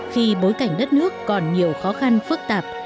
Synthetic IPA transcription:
xi˧ɓo˨˦jka˨˧˩jŋ̟ɗə˦˥t̚nɨ˦˥əkːɔ˨˩nɲi˨˩əwxɔ˨˦xa˧nfɨ˦˥k̚t̪aː˨˩p̚

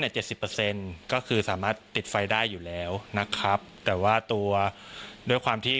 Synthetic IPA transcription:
niː˧˥˩t͡ɕe˨˩t̪̚si˨˩pːə˧se˧nkɔː˥˩kʰɯː˧saː˩˦maː˥˩t̪ːi˨˩t̪̚fa˧jdaː˥˩jːuː˨˩lɛː˦˥wna˦˥kʰɾa˦˥p̚t̪ɛː˨˩waː˥˩t̪u˧ɐdu˥˩əjkʰwaː˧mt̪ʰiː˥˩

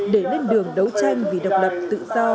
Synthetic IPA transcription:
ɗe˧˩ne˧nɗɨ˨˩əŋɗə˨˦wt͡ɕa˧jŋ̟vi˨˩ɗə˨˩wk͡p̚lə˨˩p̚t̪ɨ̰˧˨zɔ˧

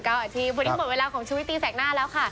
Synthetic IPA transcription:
kɔː˥˩t̪ʰiː˧pʰu˧ni˦˥m̚˨˩we˧laː˧kɔː˩˦ŋt͡ɕʰːwt̪ːiː˧˩sɛː˨˩˦ŋ̚naː˥˩lɛː˦˥wkʰa˥˩

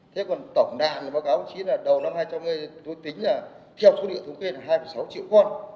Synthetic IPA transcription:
t̪ʰe˨˦˥kɔ˨˩nt̪ə˧˩wŋ͡mɗa̰ː˧˨nlaː˨˩ɓaː˨˦wkaː˨˦mo˨˧˩t͡ɕi˨˦laː˨˩ɗə˨˩wna˧mhɦaː˧jt͡ɕa˧mŋɨ˨˩əjzo˧˩jt̪ï˨˦ŋ̟laː˨˩ | t̪ʰɛ˧wso˨˦ɗḭ˧˨ət̪ʰə˨˦ŋ͡mke˧laː˨˩ɦaː˧jfə˧˩jsa˨˦wt͡ɕḭ˧˨əwxə˧n

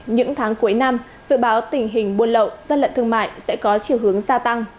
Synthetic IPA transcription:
ɲɨ̰˧˥ŋt̪ʰaː˨˦ŋku˨˦əjna˧m | zɨ̰˧˨ɓaː˨˦wt̪ï˨˩ŋ̟ɦï˨˩ŋ̟ɓu˧˩ənlə̰˧˨wzə˧nlə̰˧˨nt̪ɨ˧əŋma̰ː˧˨jsɛ̰˧˥kɔ˨˦t͡ɕi˨˧˩əwɦɨ˨˦əŋzaː˧t̪a˧ŋ

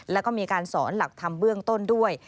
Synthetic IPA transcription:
lɛː˦˥wkɔː˥˩miː˧kaː˧nsɔː˩˦nla˨˩k̚t̪ʰa˧mbɯ˥˩əŋt̪o˥˩ndu˥˩əj

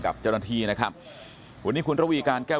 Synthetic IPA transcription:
ka̰˨˩p̚t͡ɕa˥˩naː˧t̪ʰiː˧˩na˦˥kʰɾa˦˥p̚ | pʰu˨˩˦niː˥kʰu˧nɾa˦˥wiː˧kaː˧nkɛː˥˩

